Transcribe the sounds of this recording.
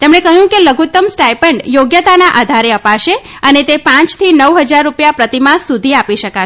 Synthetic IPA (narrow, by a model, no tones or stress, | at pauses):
t̪emɳekəɦjũkeləɡut̪ːəmsʈajpəɳɖjoɡjət̪anaʔad̪ʱaɾeəpaʃe | ənet̪epãt͡ʃt̪ʰinəʋɦəd͡ʒaɾːupjapɾət̪imãsud̪ʱiapiʃəka